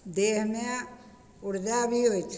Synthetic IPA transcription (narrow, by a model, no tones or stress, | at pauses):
d̪eːɦnjã | ʊɾd͡ʒabʱiɦoit͡ʃʰ